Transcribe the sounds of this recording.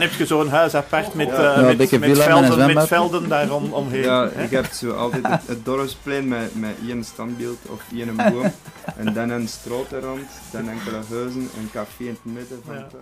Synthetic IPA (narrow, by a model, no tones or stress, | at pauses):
nɛptxəzoːənɦœːsapartmɛobɪkəilalnɛzʋɛmɛfɛlˠdəndaːrɔmɔmɦeːaːɣɛp̚tsoːɑ̰lˠtɛːətət̚dɔrəfspleːnmɛmɛʔiənstɑnbilˠtɔ̰fiənənbuəʔɛndɛnənstroːtərɔnt | d̥ɛnɛŋkələɦøːzənə̰nkɑfeːɪnətmɪdəvɑnt